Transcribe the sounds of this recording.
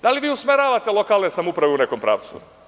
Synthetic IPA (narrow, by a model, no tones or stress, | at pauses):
d̪aliʋiːusmeɾaːʋat̪elˠo̞kaːlˠnesamoupɾaʋeune̞ko̞mpɾa̰ːʋt̪sṵ